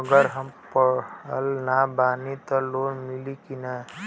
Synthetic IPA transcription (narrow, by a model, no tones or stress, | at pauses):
əɡəɾɦəmpəəlnabanit̪ɔlonmilikina